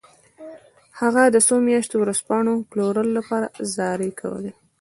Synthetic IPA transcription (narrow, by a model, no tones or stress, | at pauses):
haɣad̪əsomjɑʃt̪owɾaspɑɳ̃oploɾəlolapɑɾazɑɾekʰa̰wə̰le